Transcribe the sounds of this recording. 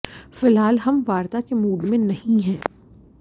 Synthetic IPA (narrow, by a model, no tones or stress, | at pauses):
fɪlɦaːlɦɐmʋaːɾt̪akemuːɖmẽnɐhĩɦɛ̃ː